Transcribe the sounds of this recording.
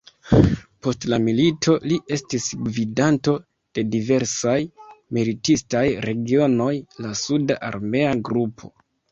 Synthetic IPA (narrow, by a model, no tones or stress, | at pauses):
po̞stlamilitʰo̞liʔe̞stisɡvidanto̞ | d̥e̞dive̞ɾsajmilitistajɾe̞ɡio̞no̞jlasudaʔa̰ɾme̞aɡɾupʰo̞̰